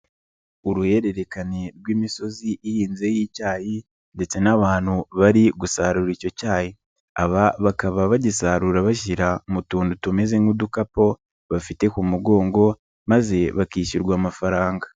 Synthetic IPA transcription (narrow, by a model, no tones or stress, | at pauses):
uɾuhe̞ɾe̞ɾe̞kaneɾɡwiːmiso̞ziʔihiːnze̞jiːcaːji | nde̞t͡se̞naβaːn̥huβaɾiɡusaːɾuɾico̞caːhi | aβaβakaβaβaɟisaːɾuɾaβaʃ̬iɾamutuːndutume̞ze̞ŋudukapo̞ | βafite̞kumuɡo̞ːŋɡo̞ | maze̞βakiːʃiɾɡwaːmafaɾaːŋɡa